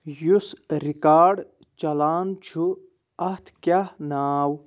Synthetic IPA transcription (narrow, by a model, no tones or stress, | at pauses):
jusɾikaːɖ | t͡ʃɐlaːnt͡ʃʰu | ɐht̪ʰkʲahnaːw